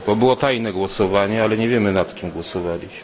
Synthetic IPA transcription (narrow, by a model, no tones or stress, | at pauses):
bɔbɘwɔt̪ajnɛɡwɔsɔvaɲɛalɛɲɛvʲjɛmɘnat̪kʲimɡwɔsɔvalʲiɕm